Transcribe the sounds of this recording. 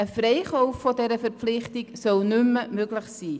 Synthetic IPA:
əfreɪχɔʊffɔdɛɾəfəɾpflɪχtɪksɔlnʏməmøɡləχsiː

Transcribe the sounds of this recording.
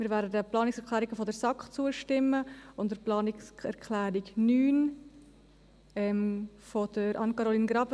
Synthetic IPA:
miːɾvæːɾdədəplɑːnɪksɛɾkʰlæːɾiɡəfodəɾsɑkχt͡suəʃtɪmːəʊndəɾplɑːnɪksɛɾkʰlæːɾiɡnyːn | ɛm | fod̥əɾʔɑ̰nkɑɾoliːnɡɾɑb

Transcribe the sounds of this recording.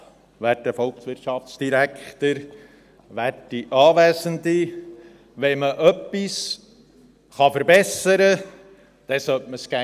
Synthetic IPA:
ʋæːtəfɔlˠksʋɪɾtʃɑft͡sd̥iɾækʰχt̪əɾ | ʋætiʔɑːʋæːsənd̪i | ʋɛməʔœpːis | χɑfəɾbɛsəɾə | d̪̥ɛsœt̚məsɡ̥æ

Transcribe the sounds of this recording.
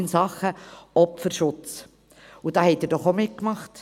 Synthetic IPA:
nsɑχəɔpfəɾʃʊt͡s | udɑːhɛtdɛɾdɔχomɪt̚kmɑχt

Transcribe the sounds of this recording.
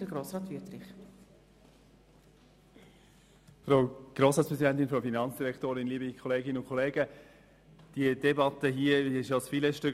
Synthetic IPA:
əɡɾoːsɾɑːt̪v̥ytɾɪχ | fɾaʊɡ̥ɾoːsɑːt͡sspɾʁɛzidɛnt̪ɪnfɔfinɑnt͡sd̥iɾɛktoːɾɪnliːbɪikʰχɔleːɡɪnəʊnkʰɔleːɡə | d̥iədɛbɑt̪əɦiːəɪʃosfiːləʃtʏk

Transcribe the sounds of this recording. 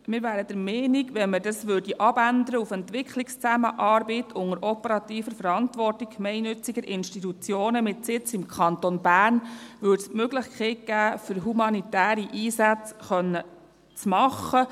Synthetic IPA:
mɪɾʋæːɾəd̥əɾmɛːniɡʋɛnmədɑsʋød̥iʔɑbænd̪əɾəufɛnt̪ʋɪkχlɪkst͡sæmə̰ʔɑːɾbɛtʰʊŋəɾʔɔpəɾɑt̪iːfəɾfəɾɑnt̪ʋɔrtɪkkmɛɪnʏt͡siɡəɾʔɪnʃtitut͡sjoːnəmɪtsɪt͡sɪmkʰχɑnt̪onbæːrnʋʏːdsmøɡlɪχkʰeɪt̚ɡ̥æːfʏɾɦumɑnit̪æːɾiʔiːsæt͡sχœnːə | t͡smɑχə

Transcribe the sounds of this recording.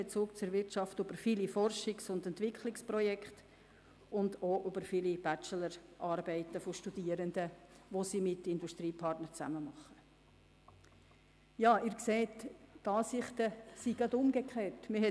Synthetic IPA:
et͡suːk̚t͡sʊɾvɪɾtʃɑftøb̥əɾfilifɔrʃɪksʊnd̪ɛnt̪ʋɪkʰχlɪksprɔjɛkχt | ʊndoːʔʉbəɾfilib̥æt͡ʃələɾʔɑːɾbɛɪtəfoʃtud̥iəɾənd̪əʋosimɪtɪnduʃt̪ɾiːpʰɑrtnəɾt͡sæ̰məmɑχːə | jɑːɪːɾkseːtːɑːsɪχt̪əsiɡ̥ɑd̪ʊmɡəkχeːtmɪhɛ

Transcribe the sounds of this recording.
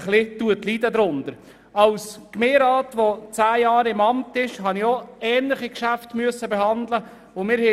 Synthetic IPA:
χlɪt̪uətlid̪əd̪ɾʊnd̥̪əɾ | ɑwskmeːɾɑːtʋot͡sæːjɑːɾɪmɑmtɪʃɦɑnioɛːnlɪχikʃæftmyəsːəbeɦɑndlə | ʊmɪːɾhɛ

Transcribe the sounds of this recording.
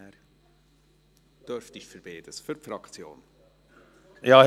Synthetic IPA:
d̥øɾftɪçfəɾb̥eːd̥əsfyɾfɾɑkt͡sjo̰ːn | jɑː

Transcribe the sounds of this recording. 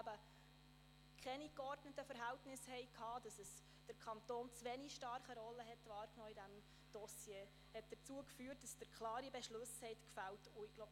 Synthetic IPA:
æbə | kʰɛnikɔrdnətəfəɾɦæltnɪshɛɪkʰhɑːd̥ɑsəs | d̥əɾkʰɑnt̪oːnt͡sʋɛniʃtɑɾχəɾɔlːəɦɛtʋɑːɾknɔːidæm | d̥ɔsjeː | hɛt̚d̥əɾt͡suəkfyəɾt̚d̥ɑsd̥əɾkʰlɑːɾibɛʃlɵshɛɪtkfæltʊɪɡ̥lob

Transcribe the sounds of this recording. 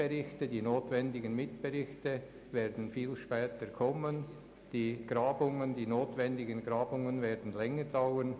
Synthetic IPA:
ɛʁɪçtədiːnoːtvɛndɪɡənmɪtb̥ɛʁɪçtə | vɛːɾdn̩fiːlʃpɛːtəkʰɔmən | d̥iːɡ̥ɾɑːbʊŋəndiːnoːtvɛndɪɡənɡɾɑːbʊŋənvɛːɾdn̩lɛŋəɾd̥aʊwən

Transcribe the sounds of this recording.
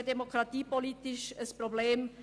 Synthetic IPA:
d̪ɛmokɾat̪ipolit̪ɪʃəspɾoblɛːm

